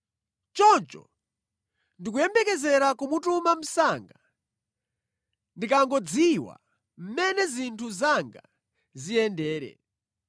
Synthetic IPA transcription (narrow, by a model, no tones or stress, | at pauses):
t͡ʃɔnt͡ʃɔ̰ | ndik̬ujɛmbɛkɛzɛɾakumutumam̩saŋɡa | ndikaŋɡɔd͡ziwa̰ | m̩mɛnɛzintʰuzaŋɡa | zijɛndɛːɾɛ̰